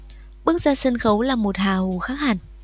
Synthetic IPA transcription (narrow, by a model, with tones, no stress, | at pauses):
ɓɨ˦˥ək̚zaː˧sə˧nxə˨˦wlaː˨˩mo˨˩t̚haː˨˩hu˨˩xaː˦˥k̚haː˨˩n